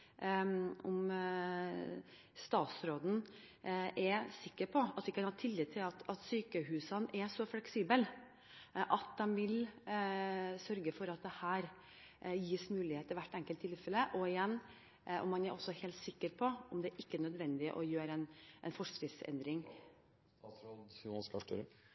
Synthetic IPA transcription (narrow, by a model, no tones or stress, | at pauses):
ʊm | st̪ɑːt̪sɾoːd̪n̩ | ʔɛɾsɪkːəɾpʰɔɑt̪ʋɪkːɑnhɑt̪ʰɪlːɪt̪ʰɪlɑt̪ɑt̪syːkəɦʉːsənʔɛsɔflɛksiːbəl | ʔɑt̪̚d̪ɛmʋɪl | sœɾɡəfɔɾɑt̪̚d̪ɛhæːɾ | jiːsmʉːlɪheːt̪ːɪlʋæʈːɛŋkəlt̪ʰːɪlfɛləʔɔɪjɛnː | ɔ̰mːɑnæɾʔɔsːɔheːlt̪sɪkːəɾpʰɔʔɔmd̪ɛʔɪkːəɛnœd̪ʋɛnd̪ɪə̰ʔɔjøːɾəɛnʔɛnfɔʂɾɪd̪sɛ̰nd̪ɾɪŋ | ɔnskɑʈə̰ɾə